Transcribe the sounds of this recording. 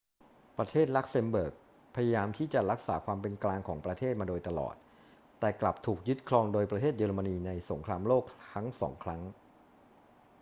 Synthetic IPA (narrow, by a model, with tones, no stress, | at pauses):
pɾa˧t̪ʰeː˥˩t̪̚la˦˥k̚se˧mbɤː˨˩k̚ | pʰa˧jaː˧jaː˧mt̪ʰiː˥˩t͡ɕa˨˩ɾa˦˥k̚sa̰ː˩˦kʰwaː˧mpe˧nklaː˧ŋkʰɔː˩˦ŋpɾa˧t̪ʰeː˥˩t̪̚maː˧doː˧jt̪a˧lɔ̰ː˨˩t̪̚ | t̪ːɛː˨˩kla˨˩p̚t̪ʰuː˨˩k̚jɯ˦˥t̪̚kʰlɔː˧ŋdoː˧jpɾa˧t̪ʰeː˥˩t̪̚jɤː˧ɾa˧ma˧niː˧na˧jso˩˦ŋkʰɾaː˧mloː˥˩k̚t̪ʰa˦˥ŋsɔ̰ː˩˦ŋkʰɾa˦˥ŋ